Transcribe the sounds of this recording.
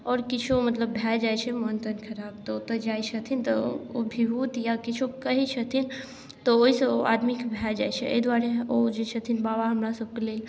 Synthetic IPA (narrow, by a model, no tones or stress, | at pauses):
ɔːɾkit͡ʃʰumət̪ləbbʱɛd͡ʒajt͡ʃʰɛmont̪ənkʰəɾab̚t̪ɔot̪əd͡ʒajt͡ʃʰət̪ʰint̪ɔobʱiɦut̪jakit͡ʃʰukəɦit͡ʃʰət̪ʰin | t̪ɔoɦisəoʔa̰d̪mikebʱɛd͡ʒajt͡ʃʰɛʔə̰ɦid̪waɾeod͡ʒet͡ʃʰət̪ʰinbabaɦəmɾasəb̚kelel